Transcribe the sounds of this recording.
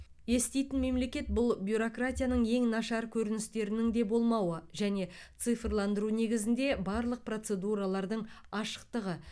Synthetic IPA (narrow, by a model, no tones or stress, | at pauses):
je̞st̪e̞jt̪ɪnme̞mle̞kʲe̞t̪̚bʊlˠbʲjuɾo̞krat̪ʲijanəɴe̞ŋnɑʃɑɾkʲʰɵɾɪnɪst̪e̞ɾɪnɪŋd̪e̞bo̞lˠmɑwəʒæne̞t̪sɨfrlˠɑnd̪əɾune̞ɡʲɪzɪnd̪e̞bɑɾlˠəq̚pro̞t̪se̞d̪uɾalˠɑɾd̪əɴɑʃə̥q̚t̪əʁə